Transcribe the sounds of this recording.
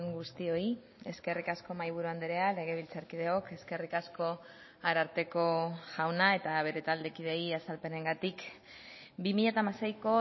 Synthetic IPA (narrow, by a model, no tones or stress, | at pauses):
ŋɡust̪io̞i | e̞ske̞rikasko̞majβ̞uɾuand̪eɾeale̞ɣ̞e̞β̞ilt͡saɾkiðe̞o̞ke̞ske̞rikasko̞ | aɾaɾt̪e̞ko̞ʝawnae̞t̪aβ̞e̞ɾe̞t̪ald̪e̞kið̞e̞jasalpe̞ne̞ŋɡat̪ik | bimiʎat̪amasejko̞